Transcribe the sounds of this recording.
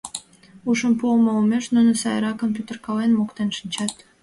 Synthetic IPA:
uʃəmpuomoumeʃnunəsɑjɾɑkompʲjut̪erkɑlenmokt̪enʃənʲt͡ɕɑt̪

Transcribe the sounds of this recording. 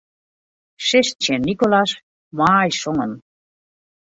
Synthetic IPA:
ʃeʃt͡ɕʰenikolaʃ | maːjʃoŋən

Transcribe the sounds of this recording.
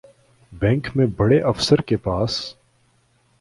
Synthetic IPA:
bɛ̃ːŋkmẽbɐɽeʔɐfsəɾkepaːs

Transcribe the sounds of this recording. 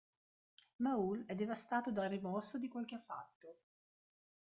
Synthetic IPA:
maulɛd̪ːevast̪aːt̪od̪alrimɔrsod̪ikwalkeafːa̰t̪ːo

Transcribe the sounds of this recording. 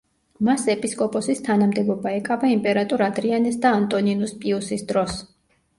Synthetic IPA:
masɛpʼiskʼɔpʼɔsist̪ʰanamd̪ɛbɔbaɛkʼavaimpʼɛɾat̪ʼuɾad̪ɾianɛsd̪aːnt̪ʼɔninuspʼiusisd̪ɾɔs

